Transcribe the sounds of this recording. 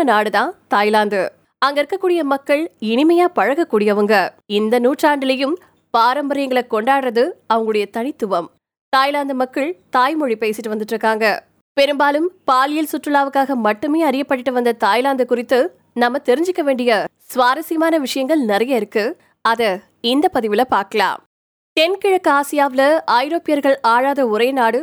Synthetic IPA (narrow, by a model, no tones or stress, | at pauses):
naːɽɯðãːt̪aːjlaːnd̪ɯ | ɐŋɡɐɪɾɯkːɐkːuːɽɪjɐmɐkːɐɭɪnɪmɐjaːpɐɻɐɣɐkːuːɽɪjɐʋɐŋɡɐ | ɪnd̪ɐnuːʈraːɳɖɪlɐjɯm | paːɾɐmbɐɾɪjɐŋɡɐɭɐkːɔɳɖaːɽɾɐðɯɐʋɐŋɡɐɭɯɽɐjɐt̪ɐɳɪt̪ːʊʋɐm | t̪aːjlaːnd̪ɯmɐkːɐɭt̪aːjmɔɻipeːsɪʈːɯʋɐnd̪ɯʈːɾɯkːaːŋɡɐ | pɛɾɯmbaːlɯmpaːlɪjɪlsʊʈrɯlaːʋɯkːaːɣɐmɐʈːɯmeːɐɾɪjɐpːɐʈːɪʈːɯʋɐnd̪ɐt̪aːjlaːnd̪ɐkʊrɪt̪ːɯ | nɐmːɐt̪ɛɾɪɲd͡ʒɪkːɐʋeːɳɖɪjɐsʋaːɾɐsɪjɐmaːnɐʋɪʂɐjɐŋɡɐɭnɪrɐjɐɪɾɯkːɯ | ɐðɐ | ɪnd̪ɐpɐðɪʋɪlɐpaːɾkɐɭa̰ːm | t̪ɛnkɪɻɐkːɯaːsɪjaːʋɪlɐɐjɪɾoːpɪjɐɾɣɐɭaːɻaːðɐʊɾɐjnaːɽɯ